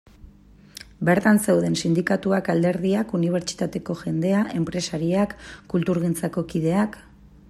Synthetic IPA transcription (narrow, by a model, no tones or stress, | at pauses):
be̞ɾt̪anse̞wð̞e̞nsind̪ikat̪uakald̪e̞ɾðiakuniβ̞e̞ɾt͡ʃi̥t̪at̪e̞ko̞ʝe̞nd̪e̞aʔe̞mpɾe̞saɾiakːult̪uɾɣ̞int͡sako̞kiðe̞ak